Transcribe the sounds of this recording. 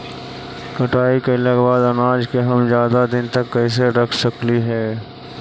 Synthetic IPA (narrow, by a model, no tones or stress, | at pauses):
kɐʈaːikelɐɡbaːd̪ɐnaːd͡ʒkeɦɐmzjaːd̪ad̪ɪnt̪ɐkːɛːs̬eɾɐkʰsɐkliɦɛː